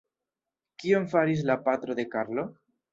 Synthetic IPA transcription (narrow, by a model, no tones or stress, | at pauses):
kioɱfaɾiz̬lapat̪ɾoðe̞kaɾlo